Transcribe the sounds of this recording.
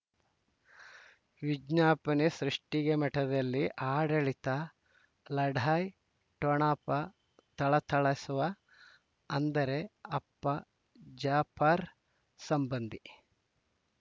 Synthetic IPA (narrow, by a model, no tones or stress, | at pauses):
ʋid͡ʒnaːpɐnisɾuʂʈiɡemɐʈɐd̪ɐlːiʔaːɖɐɭit̪ɐ | lɐɖʱaːj | ʈɔɳaːpɐ | t̪ɐɭɐt̪ʰɐɭɐsuʋɐ | ɐnd̪ɐɾe̞ɐpːɐ | d͡ʒaːpʰaːɾ | sɐmbɐnd̪i